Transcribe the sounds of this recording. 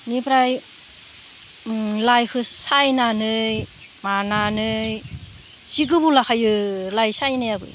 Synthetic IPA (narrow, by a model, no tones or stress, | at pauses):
nibɾaj | lajkʰɯsajnanɯj | mananɯj | z̥iɡɯbulakʰajɯlajsajnɯjabɯ̰j